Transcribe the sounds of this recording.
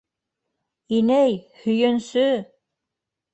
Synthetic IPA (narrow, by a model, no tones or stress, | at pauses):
inæjhɵ̆jɵ̆nsɵ